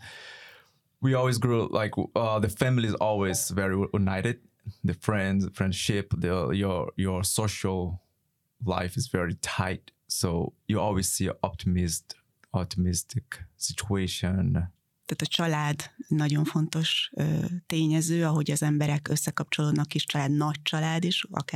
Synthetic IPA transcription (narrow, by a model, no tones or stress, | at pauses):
wiɔlˠwizɡɹulʔa̰ɪkʰʌðəfæ̃mlizɔlˠwizvɛɹijunaɪɾɪd̪̚ | ðɨfɹɛ̃ndzfɹɛ̃nd̥ʃɪpðəjəjə˞soʊʃəlˠ | la̰ɪfɨzvɛɹitʰaɪt | soʊjɨɔlˠwiz̥siə̰ʔɔp̚tʰimɪst | ɔp̚tʰimɪstʰɪksɪt͡ʃueɪʃə̃n | t̪aːt̪ɒt͡ʃɒlaːd̪nɒɟo̞ɱfo̞nt̪o̞ʃːt̪eːɲɛzøːɒɦo̞ɟɒzɛmbɛɾɛkøsːɛkɒp̚t͡ʃo̞loːd̪nɒkiʃt͡ʃɒlaːd̪nɒc̚t͡ʃɒlaːd̪iʃɒ̰kː